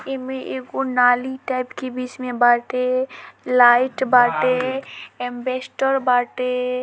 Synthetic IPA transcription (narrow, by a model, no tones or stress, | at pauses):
ɪmẽʔekonaːliʈaːɪpkebiːt͡ʃmẽbaːʈelaːɪʈbaːʈeɛmbeːsʈəɾbaːʈe